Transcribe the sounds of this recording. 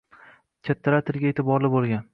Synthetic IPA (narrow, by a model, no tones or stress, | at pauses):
kʲʰat̪ʰːaɾat̪ʰɪɾɡʲaet̪ʰɪbɒɾlɪbolˠɡʲan